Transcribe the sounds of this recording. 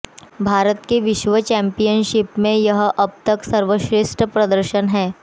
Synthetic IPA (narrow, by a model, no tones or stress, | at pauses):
bʱaːɾət̪keʋɪʃʋət͡ʃɛ̃mpijənʃɪpmẽjɐɦʔɐb̚t̪əksɐɾʋəʃɾɪsʈəpɾɐd̪əɾʃənɦɛː